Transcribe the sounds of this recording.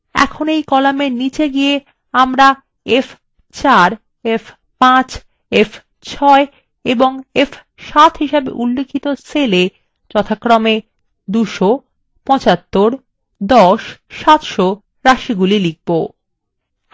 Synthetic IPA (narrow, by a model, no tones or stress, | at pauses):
ɛ̰kʰonejkɔlamenit͡ɕeɡie | amɾa | ef | t͡ɕaɾ | ef | pãt͡ɕ | ef | t͡ɕʰɔe | eboŋef | ʃat̪ɦiʃabḛʔulːekʰːit̪osele | t͡ɕɔt̪ʰakːɾome | d̪uʃo | pɔ̃t͡ɕat̪ːoɾ | d̪ɔʃʃat̪ʃo | ɾaʃiɡulilik̚bo